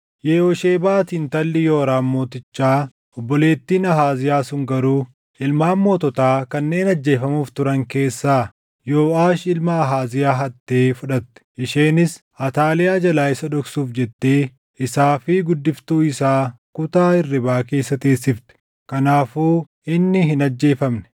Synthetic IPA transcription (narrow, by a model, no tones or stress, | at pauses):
jeːoʃeːbaːt̪iːnt̪ɐlːɪjoːɾaːnmoːt̪ɪt͡ʃːaː | ɔbːɔle̞ːt̪ːiːnɐɦaːzɪjaːsʊŋɡɐɾuː | ɪlmaːmːoːt̪ɔt̪aːkɐnːe̞ːnɐd͡ʒːe̞ːfɐmuːft̪ʊɾɐŋke̞ːsːaː | joːaːʃɪlmɐːɦaːzɪjaːɦɐt̪ːe̞ːfʊᶑɐt̪ːɛ̥ʔɪʃeːnɪs | ɐt̪aːlɪjaːd͡ʒɐlaːɪsɐᶑ̪ɔksuːfd͡ʒɛt̪ːeː | ɪsaːfɪɡʊd̪ːɪft̪uːɪsaː | kʊt̪aːɪrːɪbaːkeːsːɐt̪eːsːɪft̪ɛ̥ | kɐnaːfuː | ɪnːɪɦɪnɐd͡ʒːe̞ːfɐmnɛ̥